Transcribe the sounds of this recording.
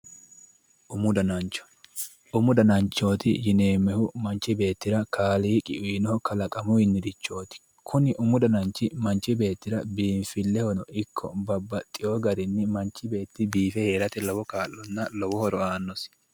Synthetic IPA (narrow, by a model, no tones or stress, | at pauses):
ʔʊmʊd̪ɐnɐnt͡ʃːɔ̥ | ʔʊmʊd̪ɐnɐnt͡ʃːo̞ːt̪ɪjɪneːmːɛhʊmɐnt͡ʃːɪbe̞ːt̪ːɪɾɐkʰaːliːkʼɪ̰ʔʊnɔɔkɐlɐkʼɐmʊɪnːɪd̪ɪt͡ʃːo̞ːt̪ɪ̥ | kʰʊnɪʔʊmʊd̪ɐnɐnt͡ʃːɪmɐnt͡ʃːɪbe̞ːt̪ːɪɾɐbiːnfɪlːɛhɔnɔɪkʰːɔ̰bɐbːɐt̪ʼːɪjoːɡɐɾɪnːɪmɐnt͡ʃːɪbe̞ːt̪ːɪbiːfɛhe̞ːɾɐt̪ɪlɔwɔkaːlːɔnːɐlɔwɔhɔɾɔaːnːɔs